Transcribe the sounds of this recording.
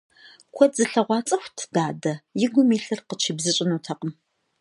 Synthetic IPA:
kʷʰɔzɨɬɐʁʷɑːt͡sʼɐxʷtʰd̥aːdɐjɪɡʷʊmiːɬɨrqət͡ʃʰiːbzɨɕʼɪnuːtʰɐqʼəm

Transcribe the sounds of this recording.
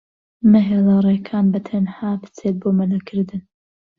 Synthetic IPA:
nɐɦeːlɐrˤekʰaːnbɐt̪ʰɐnhaːbɨ̥t͡set̪̚boːmɐlɐkʰɨɾd̪ɨn

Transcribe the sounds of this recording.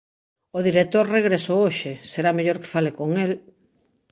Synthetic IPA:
oðiɾet̪oɾreɣ̞ɾesooʃeseɾameʎoɾkɪ̥falekoŋel

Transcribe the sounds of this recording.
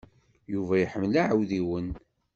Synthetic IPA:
juvæjħəmːlaʕəwðiwən

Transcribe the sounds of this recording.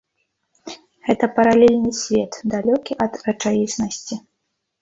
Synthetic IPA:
ɣɛt̪ɐpɐɾalʲɛlʲnɨsʲvʲɛt̪d̪alʲɔkʲiʔɐd̪ɐt͡ʂajʲisnɐsʲt͡sʲi

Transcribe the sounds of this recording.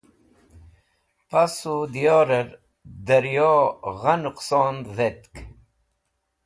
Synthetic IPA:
pasud̪ijoːɾəɾ | d̪ɐɾjoʁanuqsoːnd̪ðet̪k

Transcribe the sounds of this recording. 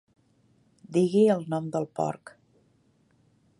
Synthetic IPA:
d̪iɣiəlˠnɔmd̪əlˠpɔ̰ɾk

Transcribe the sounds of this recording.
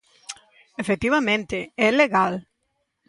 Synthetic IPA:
efek̚t̪iβamẽnt̪ɪɛleɣal

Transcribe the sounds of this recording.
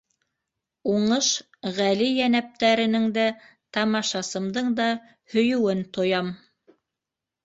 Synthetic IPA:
uɴɤʃ | ʁælijænæp̚t̪æɾɘ̆nɘŋd̪æ | t̪ɑmɑʃɑsɤ̆md̪ɤɴd̪ɑ | hɵ̆jɵ̆wɘnt̪ŏjɑm

